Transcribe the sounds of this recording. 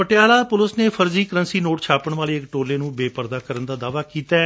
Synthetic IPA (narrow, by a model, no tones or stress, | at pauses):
pəʈɪjaːlaːpʊlʊsneːpʰəɾziːkəɾənsiːnoːʈt͡ʃʰaːpəɳʋaːliːɪkʈoːleːnũːbeːpəɾd̪aːkəɾənd̪aːd̪aːʋaːkiːt̪aː